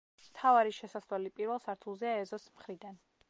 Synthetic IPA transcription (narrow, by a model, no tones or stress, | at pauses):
mt̪ʰavaɾiʃɛsaswɛlipʼiɾvɛlˠsaɾt̪ʰulˠzɛaɛzɔsmχɾid̪an